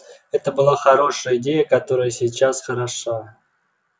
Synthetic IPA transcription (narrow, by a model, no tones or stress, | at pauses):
ɛt̪əbɨlˠaxɐɾo̞ʂəjəɪdʲejəkɐt̪o̞ɾəjəsʲɪjt͡ɕasxəɾɐʂa